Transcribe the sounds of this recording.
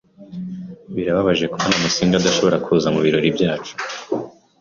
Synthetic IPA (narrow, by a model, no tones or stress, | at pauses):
βiɾaβaβaʒe̞kuβanamusiːŋɡad̪aʃo̞βo̞ɾakʰuːzamuβiɾo̞ɾibjaːt͡ʃu̥